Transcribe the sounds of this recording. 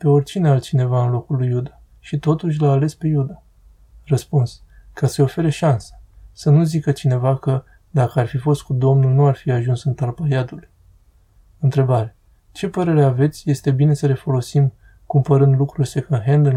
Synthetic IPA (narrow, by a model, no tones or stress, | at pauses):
pe̞o̞rʲt͡ʃinealt̪̚t͡ʃine̞vaɨnlo̞kulːujːud̪a | ʃit̪o̞t̪uʃ̬ʲlaːle̞spe̞jud̪a | rəspuns | kasəeo̞fe̞ɾeʃansə̥sənuzikət͡ʃine̞vakə | d̪akəarfifo̞st̪̚kud̪o̞mnulnuarfiaʒunsɨnt̪alpajad̪ul | ɨnt̪ɾe̞baɾe | t͡ʃe̞pəɾe̞ɾeave̞t̪sʲje̞st̪e̞bine̞səle̞fo̞lo̞sim | kumpəɾɨnd̪lukɾurʲsekənɦend̪i